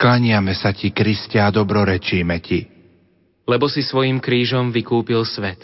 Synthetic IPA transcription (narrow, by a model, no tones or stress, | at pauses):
klaɲɪamɛsacikɾiscaad̪ɔbɾɔɾɛt͡ʃiːmɛci | lɛbɔsisʋɔjimkɾiːʒɔmʋikuːpilsʋɛt̪